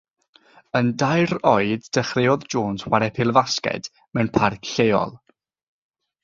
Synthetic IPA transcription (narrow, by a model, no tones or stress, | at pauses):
əndajɾɔɨddəχrɪɔðd͡ʒoːnswaɾɛpʰɪlˠvaskɛ̰d̥ | mɛwnpʰarkɬejɔ̰lˠ